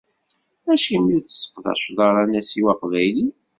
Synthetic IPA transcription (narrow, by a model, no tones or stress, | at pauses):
æʃimilθə̥sːə̥fðɑ̰ʃðˤɑɾˤɑnæsiwæfʁæjli